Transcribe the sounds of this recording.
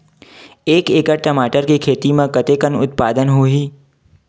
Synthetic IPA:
eːkeːkəɾʈəmaːʈəɾkikʰeːt̪imẽkət̪eːkənʊ̰t̪̚paːd̪ənɦoːɦiː

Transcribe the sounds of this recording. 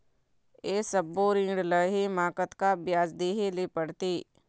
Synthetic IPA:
eːsəbːoɾĩːɳɖləɦemãːkət̪kabjaːzd̪eːɦeleːpəɽt̪iː

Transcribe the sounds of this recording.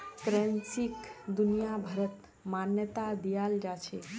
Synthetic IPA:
kɾɛnsikd̪unijabʱəɾət̪ | manjət̪ad̪ijald͡ʒat͡ʃʰe

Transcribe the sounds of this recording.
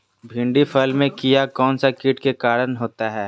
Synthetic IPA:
bʱɪ̃ɳɖifʰəlmẽkijakɔːnsakiːʈkekaːɾənɦoːt̪aɦɛː

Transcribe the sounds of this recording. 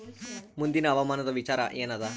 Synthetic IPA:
mund̪inaʋamanət̪əʋit͡ɕaɾa̰ʔjenad̪a

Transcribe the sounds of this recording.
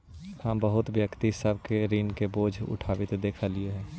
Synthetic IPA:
həmbəɦʊt̪ʋjəkt̪isəbʱkeɾiːnkeboːd͡ʒʱʊ̰ʈʰaːʋɪt̪d̪eːkʰalieɦɛ̃ː

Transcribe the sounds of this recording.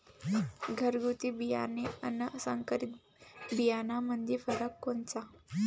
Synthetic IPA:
ɡʱəɾɡut̪ibija̰neənəsəŋkəɾit̪ | bijanamənd̪ʱefəɾəkːont͡sa

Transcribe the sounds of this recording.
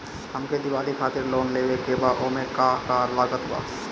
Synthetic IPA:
həmked̪ɪwaːlikʰaːt̪ɪɾloːnleːbekebaʔomẽkaːkaːɾlaːɡət̪ɦʊa̰ː

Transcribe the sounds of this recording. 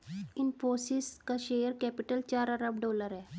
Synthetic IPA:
infosiskaɕejəɾkɛpiʈəlt͡ɕaɾaɾap̚ɖɔləɾɛ

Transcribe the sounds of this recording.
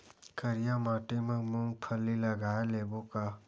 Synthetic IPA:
kəɾijamaːʈemə̃mʊ̃ŋɡpʰəlːilɐɡaːeleːboka

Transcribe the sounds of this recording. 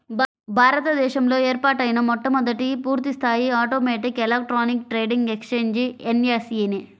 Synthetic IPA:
bʱaːɾɐt̪ɐd̪ɛːʃɐmlo̞ːeːɾpaːʈɐjinɐmɔʈːɐmɔd̪ɐʈipuːɾt̪ist̪ʰaːjiaːʈoːmɛːʈikelek̚ʈɾaːnik̚ʈɾeːɖiŋɡekst͡ʃeːɲd͡ʒeneːseni

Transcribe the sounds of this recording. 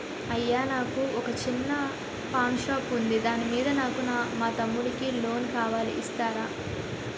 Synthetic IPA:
ɐjːaːnaːkuɔkɐt͡ʃinːɐ | paːnʃaːpund̪id̪aːnimiːd̪ɐnaːkunaːmaːt̪ɐmːuɽikilo̞ːnkaːʋaːlḭʔist̪aːɾaː

